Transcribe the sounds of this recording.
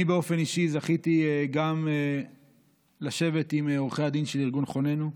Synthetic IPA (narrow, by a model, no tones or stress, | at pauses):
ibeo̞fe̞niʃizaχit̪ieɡame | laʃe̞ve̞t̪imeoʁχead̪inʃeliʁɡunχo̞ne̞nu